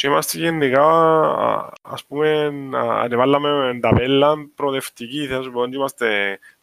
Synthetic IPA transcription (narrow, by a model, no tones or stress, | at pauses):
simast̪ikenːeɣaβa̰ | a̰spumena̰ːɾeβalːameend̪aβelːampɾoðeft̪ikiθasupond͡ʒ̪imast̪e